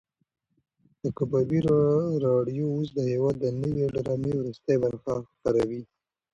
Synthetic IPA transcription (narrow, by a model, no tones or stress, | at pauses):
d̪̥əkabɑbiɾɾɑɖijous̬d̪əhewɑd̪ːənəweɖaɾɑmewɾust̪ajbaɾxaxpaɾawi